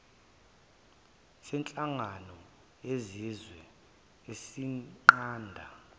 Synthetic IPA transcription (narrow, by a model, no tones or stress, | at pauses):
sɛnt͡ɬʼaŋanɔ | ezizwɛ | esiŋ͡ǃaːndʱa̰